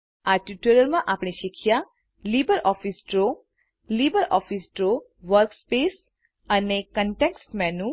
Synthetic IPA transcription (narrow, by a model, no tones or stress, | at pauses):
aɾʈiʈuɾəlmãʔapɳiʃikʰja | libəɾʔɔfʰisɖɾo | liːbəɾɔfʰisʈɾo | ʋəɾkspes | ənekəɳʈeksʈmɛnu